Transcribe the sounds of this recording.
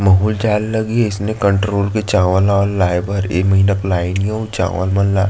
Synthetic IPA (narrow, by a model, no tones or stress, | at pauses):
mɐɦuːld͡ʒaːllɐɡieɪsnekəɳʈɾoːlket͡ʃãːʋəlaɔːɾlaːjbəɾeːmɐɦiːnaklaːɪnijãut͡ʃa̰ːʋə̰lmɐnla̰ː